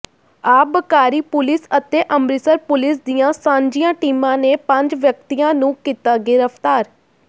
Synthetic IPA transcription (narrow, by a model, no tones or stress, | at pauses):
aːbəkaːɾiːpʊlɪsət̪eːʔəmɾɪsəɾpʊlɪs̬d̪ijãːsãːɲd͡ʒijãːʈiːmãːneːpəɲd͡ʒʋjək̚t̪ijãːnũːkiːt̪aːɡɪɾəpt̪aːɾ